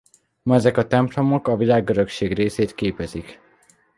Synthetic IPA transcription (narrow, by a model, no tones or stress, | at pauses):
mɒɛzɛkɒt̪ɛmplo̞mo̞kɒvilaːɡøɾø̞kʃeːɡreːseːt̪keːpɛzik